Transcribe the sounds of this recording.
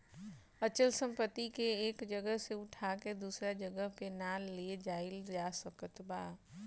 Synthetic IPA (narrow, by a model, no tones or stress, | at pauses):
ət͡ʃəlsə̃mpət̪ːikeeːkd͡ʒəɡəɦseʊʈʰaked̪uːsɾad͡ʒəɡəɦpenaːllied͡ʒaːɪld͡ʒaːsəkət̪baː